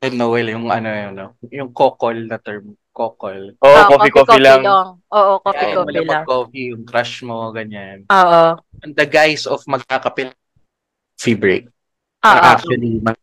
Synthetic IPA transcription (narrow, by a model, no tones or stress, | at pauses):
ɛnowɛljʊŋɐnojnojʊŋkoːkolnɐt̪ɛɹm | koːkolʔoʔokoːfikokilaŋŋʔoːʔokoaikoɐlɐlmɐɡkofijʊŋkɾaʃmoɡɐɲanʔoːʔo | ɐnd̪ɐɡajsɔfmɐɡ̚kakɐpɪl | fibɹḛk̚ | ʔoɐʔak̚t͡ʃuɐlimɐ